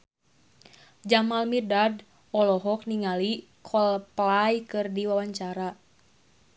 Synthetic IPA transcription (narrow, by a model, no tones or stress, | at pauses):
d͡ʒamalmidad | ɔlɔɦɔk̚niŋali | kʰɔlplajkɨrdiwawaɲt͡ʃaɾa